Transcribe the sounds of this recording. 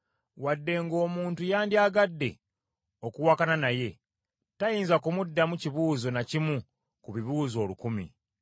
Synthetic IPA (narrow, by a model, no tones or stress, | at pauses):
wadːe̞ŋɡo̞ːmuːntujaːndiaːɡadːe̞̰ | o̞kuwaːkananaje̞ | tajiːnzakumudːamuciβuːzo̞nacimu | kuβiβuːzo̞ːlukumḭ